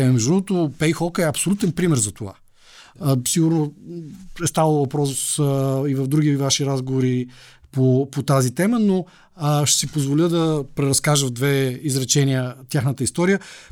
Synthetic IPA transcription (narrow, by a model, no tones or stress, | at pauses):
mɛʒd̪ot̪opɛjxɔkəɛɐpsolʲut̪ɛnpɾimɛɾzɐt̪ova̰ | siɡuɾno | ɛst̪avˠəvɐpɾɔsivɐvd̪ɾuɡʲivaʃiɾazɡovoɾi | popot̪azit̪ɛməno | ʃt̪ɛ̥sipozvolʲəd̪ɐpɾɛɾɐskaʒəvd̪vɛizɾɛt͡ʃɛniət̪ʲjaxnət̪əist̪ɔɾijə